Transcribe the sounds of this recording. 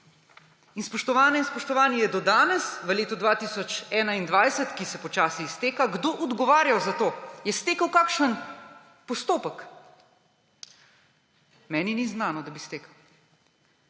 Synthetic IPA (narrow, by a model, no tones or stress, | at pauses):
inspɔʃt̪ɔʋaːnɛinspɔʃt̪ɔʋaːnijɛd̪ɔd̪aːnɛsʋəleːt̪ɔd̪ʋaːt̪isɔt͡ʃɛːnaind̪ʋajsət̪kisɛpɔt͡ʃaːsist̪eːkaɡd̪oːʔɔd̪ɡɔʋaːɾjawzat̪oːjɛst̪eːkəwkaːkʃən | pɔst̪oːpək | mɛːniniznaːnɔd̪abist̪eːkɐw